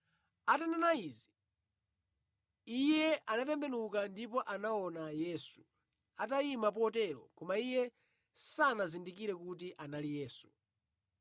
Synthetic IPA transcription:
atananaiːzi | ijɛanatɛmbɛnukandipɔʔanaɔnajɛːsu | ataimap̬ɔtɛɾɔ̰kɔmaijɛ | sanazindikiɾɛkut̬iʔanalijɛːsu̥

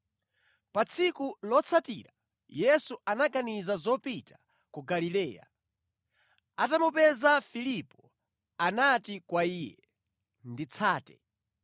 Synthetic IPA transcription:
pat͡sʰikulɔt͡sʰatiɾa | jɛsuanaɡanizazɔpitḁ | kuɡalilɛːja̰ | atamupɛzafilipɔ | anatikwaiːjɛ | ndit͡sʰaːtɛ̥

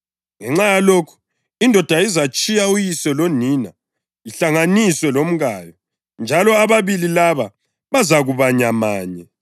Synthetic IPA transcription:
ŋɛŋ͡ǁajalokʰu̥ | indʱɔd̥ʱaizat͡ʃʼijaujisɛloniːna | iɬaŋaniswɛlom̩ɣaːjɔ | nd͡ʒʱalɔaβaβililaβa | βazaɣuβaɲamaːɲɛ

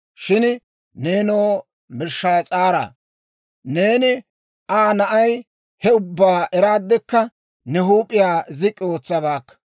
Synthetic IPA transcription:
ʃɪn | ne̞ːnoː | mɪɾʃːaːt͡sʼaːɾa̰ː | ne̞ːnɪ | ʔaːnɐʔɐj | hɛʊbːaːɛɾaːd̪ːɛkːɐ | nɛɦuːpʼːɪjaːzɪkʼːɪo̞ːt͡sːɐβaːkːɐ̥

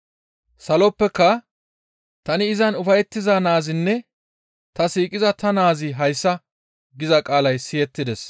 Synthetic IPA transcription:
sɐlɔpːɛkːɐ | t̪ɐnɪːɪzɐnʊfɐjɛt̪ːɪzɐnaːzɪnːɛ | t̪ɐsiːkʼɪzɐt̪ɐnaːzɪɦɐjsːɐ | ɡɪzɐkʼaːlɐjsɪjɛt̪ːɪd̪ɛs

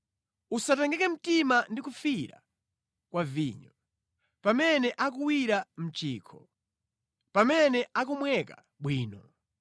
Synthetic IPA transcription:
usatɛŋɡɛkɛm̩timandikufiɾa̰ | kwavḭɲɔ | pamɛnɛʔak̬uwiɾam̩t͡ʃiːkʰɔ | pamɛnɛʔak̬umwɛka | ɓwiːnɔ

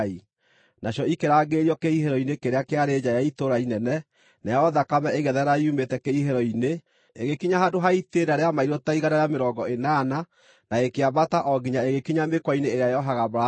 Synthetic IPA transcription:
i | naɕjɔikeɾaːɡeːɾiɔkeiheɾɔinekeɾeakeaɾed͡ʑajaitoɾainɛnɛ | najaɔðakamɛeɣɛðɛɾaumetɛkeiɦeɾɔine | eɣekiɲaɦadoɦaiteɾdaɾeamaiɾotaiɣanaɾejameɾɔɡɔenana | naekeabataʔɔɡiɲaeɣekiɲamekwaineːɾeajɔɦaɣabɾa

